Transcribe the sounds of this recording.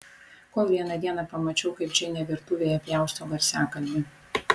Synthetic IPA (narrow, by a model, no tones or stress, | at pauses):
koːlˠʋʲiɛnɐd̪ʲiɛnɐpɐmɐt͡ʃʲɛʊkɐɪp̚t͡ʃʲɛnʲɛʋʲɪɾt̪ʊʋʲeːjɛpʲjæˑʊst̪oːɡɐɾʲsʲæːkɐlʲd̪ʲɪ